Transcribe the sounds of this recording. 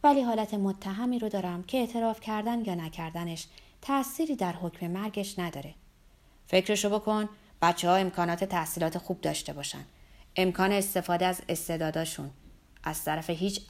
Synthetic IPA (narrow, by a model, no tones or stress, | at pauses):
væliːɦɒːlæt̪ʰe̞mot̪ʰːæɦæmiːɾod̪ɒːɾæmcʰeeʔt̪ʰe̞ɾɒːfcʰæɾd̪ænjɒːnæcʰæɾd̪æne̞ʃ | t̪ʰæsiːɾiːd̪æɾho̞cme̞mæɾɡe̞ʃnæd̪ɒːɾe̞ | fe̞cɾe̞ʃobo̞kʰo̞n | b̥æt̪t͡ʃʰːehɒːe̞mkʰɒːnɒːt̪ʰe̞t̪ʰæhsiːlɒːt̪ʰe̞xuːb̚d̪ɒ̰ːʃt̪e̞bɒːʃæ̰nd̪e̞mkʰɒːne̞ːst̪e̞fɒːd̪eæze̞st̪e̞d̪ɒːd̪ɒːʃun | ʔæz̥t̪ʰæɾæfe̞ɦiːt͡ʃ